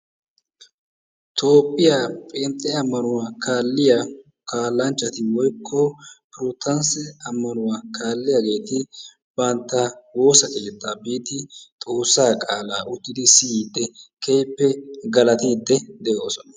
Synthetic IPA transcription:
t̪ʰo̞ːpʼːɪjapʼeːnt̪ʼːɛɐmːɐnʊwaːkaːlːɪjɐ | kaːlːɐnt͡ʃːɐt̪ɪwɔjkʰːɔpɾɔt̪ʰːɐnsɛɐmːɐnʊwakʰaːlːɪjɐɡe̞ːt̪ɪ | b̥ɐnt̪ːɐwo̞ːsɐkʼɪlɛt̪ʼːaːbiːt̪ɪt̪ʼo̞ːsːaːkʼaːlaːʔʊt̪ːɪd̪ɪsɪiːd̪ːɛkʰɛjpːɛɡɐlɐt̪iːd̪ːɛd̪ɛʔoːsɔnɐ

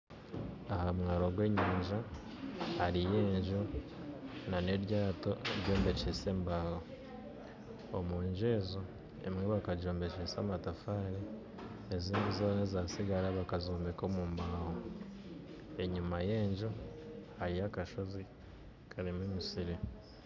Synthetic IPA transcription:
ahamŋaːɾo̞ɡwe̞ːɲaːɲʒa | haɾije̞ːɲʒu | nane̞ɾjaːto̞eɾɟo̞ːmbe̞t͡ʃese̞ːmbaːho | omuːɲʒeːzo | ḛmŋeβakaɟoːmbe̞t͡ʃesaːmatafaːɾe | eziːndizonezasiɡaɾaβakazoːmbekomuːmbaho | e̞ɲumaje̞ːɲʒuhaɾijakaʃo̞zi | kʰaɾimwemisiɾe

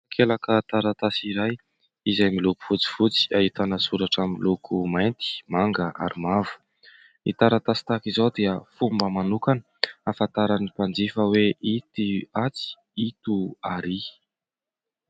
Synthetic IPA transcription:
akʰelakət̪aɾat̪asiɾaj | izajmiluku̥v̥ut͡si̥v̥ut͡si̥aɦit̪anəsuɾaʈ͡ʂamilukʰumajnt̪i̥maŋɡəʔa̰ɾimavu̥ | it̪aɾat̪asi̥t̪akizowd̪eəfumbəmanukanə | afat̪aɾanipand͡zifəweit̪iat͡si̥ | it̪uaɾi

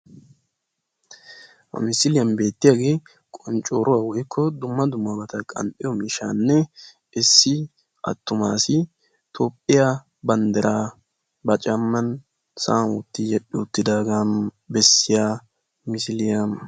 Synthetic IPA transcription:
hɐ̰mɪsɪlɪjɐnbe̞ːt̪ːɪjaɡeː | kʼɔnt͡ʃʼo̞ːɾʔʊwawɔjkʰːɔd̪ʊmːɐd̪ʊmːɐbɐt̪ɐkʼɐ̰mpʼːɪjɔmɪʃa̰ːnːɛ | ɪsːɪ | ʔɐ̰t̪ːʊmaːsɪ | t̪ʰoːpʼːɪja | bɐnd̪ɛɾʔaː | bɐt͡ʃʼɐmːɐn | saːnwɔ̰t̪ːɪjɛɗːɪʊt̪ːɪd̪aːɡaːn | bɛsːɪjaː | mɪsɪlɪjan

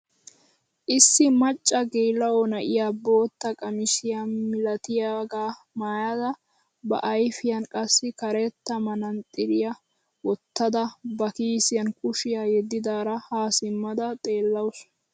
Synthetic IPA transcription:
ʔɪsːɪmɐt͡ʃʼːɐɡeːlːɐwɔnɐʔɪjaːbo̞ːt̪ːɐkʼɐmɪsɪjanmɪlɐt̪ɪjaːɡaː | maːjɐd̪ɐ | bɐ̰ʔɐjfɪjɐnkʼɐsːɪkɐɾɛt̪ːɐmɐnɐnt̪ʼɪɾɪjɐ | wɔt̪ːɐd̪ɐbɐkiːsɪjɐnkʼʊʃɪjajɛd̪ːɪd̪aːɾɐhaːsɪmːɐd̪ɐt̪ʼe̞ːlːɐwʊs

